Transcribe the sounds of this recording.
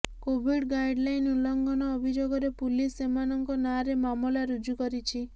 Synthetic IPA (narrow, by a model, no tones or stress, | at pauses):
kobʱiɽɡajɖlajnulɔŋɡɔnɔːbʱid͡ʒoɡɔɾepulisemanɔŋkɔnaɾemamɔlaɾud͡ʒukɔɾit͡ʃʰi